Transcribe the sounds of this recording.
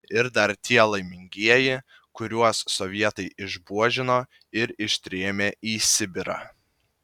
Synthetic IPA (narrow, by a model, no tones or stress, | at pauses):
ɪɾd̪ɐɾt̪ʲʰiɛlˠɐɪmʲɪŋʲɡʲiɛjɪ | kʊɾʲuɔsːɔʋʲiɛt̪ɐɪɪʒbuɔʒʲɪnoː | ɪɾɪʃʲt̪ʲɾʲeːmʲeːiːsʲɪbʲɪɾɑ̰ː